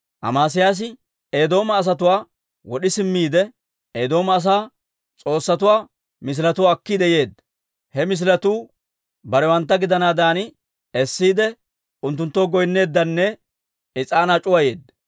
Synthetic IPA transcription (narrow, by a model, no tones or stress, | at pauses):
ʔɐ̰maːs̬ɪjaːs̬ɪ | eːd̪o̞ːmɐːs̬ɐt̪ʊwaː | wɔɗɪsɪmːiːd̪ɛ | eːd̪o̞ːmɐːs̬aː | t͡sʼo̞ːsːɐt̪ʊwaː | mɪs̬lɐt̪ʊwːkːiːd̪ɛje̞ːd̪ːɐ | hɛmɪs̬ɪlɐt̪uː | bɐɾɛwɐnt̪̬ːɐɡɪd̪ɐnaːd̪aːnɪ | ɛsːiːd̪ɛ | ʊnt̪ːʊnt̪ːoːɡɔjnːe̞ːd̪ːɐnːɛ | ɪt͡sʼaːnat͡ʃʼʊwɐje̞ːd̪ːɐ